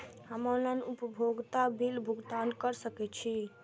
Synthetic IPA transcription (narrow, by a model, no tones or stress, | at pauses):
ɦəmələnupəbʱoɡt̪abilbʱuɡt̪ankəɾsəkɛt̪t͡ʃʰi